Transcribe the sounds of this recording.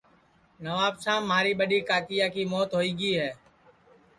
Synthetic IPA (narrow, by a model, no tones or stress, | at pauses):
nəʋaːbsãːmːɦaːɾiːɓəɗiːkaːkɪjaːkiːmoːt̪ɦoːiːɡiːɦɛː